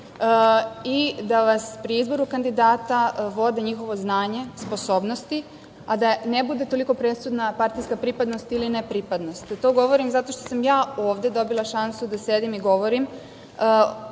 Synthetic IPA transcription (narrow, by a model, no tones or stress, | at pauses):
id̪aʋaspɾiizbo̞ɾukand̪id̪aːt̪aʋo̞d̪eɲixo̞ʋo̞znaːɲe̞spo̞so̞ːbno̞st̪i | ad̪anebud̪e̞t̪o̞liko̞pɾe̞sud̪napaɾt̪ijskapɾipad̪no̞st̪ilinepɾipad̪no̞st̪ːo̞ːɡo̞ʋo̞ɾimzat̪o̞ʃt̪o̞samjaːoːʋd̪e̞d̪o̞bilˠaʃansud̪ase̞d̪imiɡo̞ʋo̞ɾimː